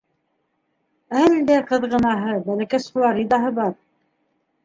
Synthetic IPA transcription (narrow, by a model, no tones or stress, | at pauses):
æld̪æqɤ̆ðʁɤ̆nɑɦɤbælækæsχulˠɑɾid̪ɑɦɤβɑɾ